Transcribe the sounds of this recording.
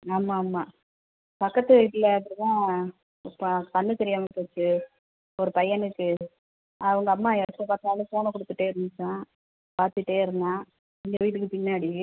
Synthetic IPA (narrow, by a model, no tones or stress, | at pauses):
aːmaːmːaː | pɐkːɐt̪ːɯɪʈlɐɐpːɾt̪ãː | ɪpːkɐnːɯt̪ɛɾɪjaːmepoːt͡ʃːɯ | ɔɾɯpɐjɐnɯkːɯ | ɐʋɐŋɡɐːmːaːɛɾɐt̪ːɐpaːɾt̪ɯaːlɐpoːnɐkɔɽɯt̪ːɯʈːeːɪɾɯnd̪ɯt͡ʃːãː | paːɾt̪ːɯʈːeːɪɾɯnd̪ãː | ɪnd̪ɐʋiːʈ̬ːɯkːɯpɪnːaːɽi